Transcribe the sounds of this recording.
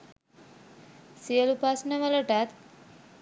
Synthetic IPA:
siəlupasnəʋəloʈat̪̚

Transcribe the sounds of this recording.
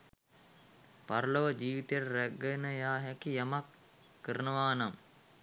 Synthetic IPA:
paɾəloʋəd͡ʒiːʋit̪eɾəɾæɡənəjaːɦɛkijamakː | əɾənəʋaːnam

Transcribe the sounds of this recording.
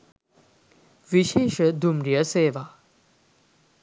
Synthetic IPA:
ʋiʃeːʃəd̪umɾijəseːʋa

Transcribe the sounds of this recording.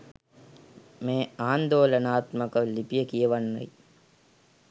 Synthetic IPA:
meːaːnd̪oːlɐnaːt̪mɐkɐlipijəkijɐʋanːɐ̰j

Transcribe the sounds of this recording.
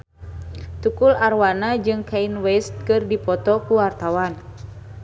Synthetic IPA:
t̪ukularwanad͡ʒɨŋkainwɛst̪̚kɨrdipɔt̪ɔkuwart̪awan

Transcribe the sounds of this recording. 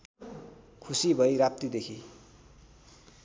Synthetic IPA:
kʰusibʱʌiɾap̚t̪id̪ekʰi

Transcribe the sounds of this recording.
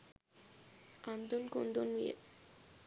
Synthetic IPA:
and̪onkond̪oniḛ

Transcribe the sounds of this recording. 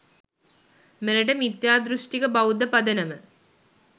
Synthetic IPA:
meɾɐʈɐmit̪jaːd̪ɾuʂʈikɐbɐwd̪ɐpɐd̪ɐnɐmə

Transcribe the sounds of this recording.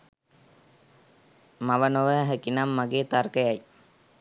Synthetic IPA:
maʋənoʋəɦəkinamːaɡeːt̪arkəjaj

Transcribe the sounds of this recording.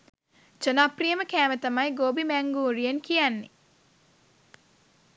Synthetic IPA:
d͡ʒənaprijəməkæːmət̪ɐmajɡoːbimæŋɡuːɾijənkijanːḭ

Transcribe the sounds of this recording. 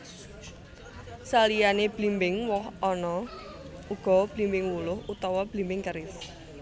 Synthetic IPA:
salijaneb̥limbɪŋwɔhɔnɔ | uɡ̥ɔ̤b̥limbɪŋwulʊhut̪ɔwɔb̥limbɪŋkəɾɪf

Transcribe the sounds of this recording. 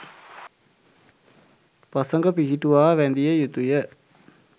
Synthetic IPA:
pɐsəŋɡəpiɦiʈuʋaːʋænd̪ijəjut̪ujə

